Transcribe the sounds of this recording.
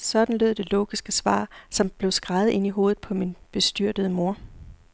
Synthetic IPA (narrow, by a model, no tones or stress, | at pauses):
sɒ̽d̥n̩løð̞̰ˠd̥e̝lo̰ːɡ̥isɡ̥əsʋɑ̰̈ːsɒ̽mb̥le̝ʊsɡ̥ʁɑ̈ð̩ˠʔe̝n̰iɦo̝ːð̩ˠpʰɒ̽minb̥e̝sd̥yɐ̰d̥əð̞̩ˠmo̝ɐ̰